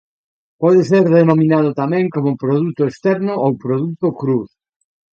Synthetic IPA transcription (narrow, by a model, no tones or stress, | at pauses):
pɔðeseɾðenomĩnað̞ʊt̪amɛ̃ŋkomʊpɾoðut̪ʊest̪ɛɾnʊʔowpɾoðut̪ʊkɾuθ